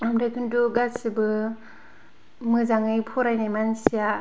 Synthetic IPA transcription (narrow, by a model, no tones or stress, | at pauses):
amɾajkʰɯnduɡasibɯ | mɯzaŋɯjpʰɔɾajnajmansija